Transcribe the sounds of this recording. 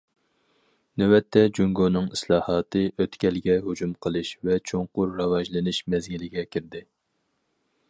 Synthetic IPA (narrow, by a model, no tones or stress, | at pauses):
nywɛt̪ʰːɛd͡ʒuŋɡonɨŋislˠɑːhɑːt̪ɨʔøt̪kʲʰɛlɡʲɛɦud͡ʒumqʰəlˠɨʃvɛt͡ʃʰoŋqʊɾːɑwɑʒlɨnɨʃmɛzɡʲilɪɡʲɛkʲʰiɾd̪ɪ